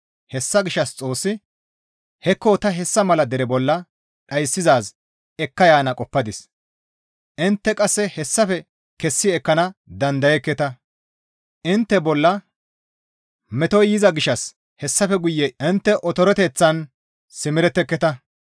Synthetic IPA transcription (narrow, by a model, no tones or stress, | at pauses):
hɛsːɐɡɪʃɐst͡sʼo̞ːsːɪ | hɛkːoːt̪ɐɦɛsːɐmɐlɐd̪ɛɾɛbɔlːɐ | ɗɐjsːɪzaːs | ɛkːɐjaːnɐkʼɔpːɐd̪ɪs | ʔɪnt̪ːɛkʼɐsːɛhɛsːɐfɛ | kɛsːɪɛkːɐnɐd̪ɐnd̪ɐjɛkːɛt̪ɐ | ʔɪnt̪ːɛbɔlːɐ | mɛt̪ɔjɪzɐɡɪʃɐs | hɛsːɐfɛɡʊjːɛɪnt̪ːɛʔɔt̪ɔɾɔt̪eːt͡sːɐn | sɪmɪɾɛt̪ːɛkːɛt̪ɐ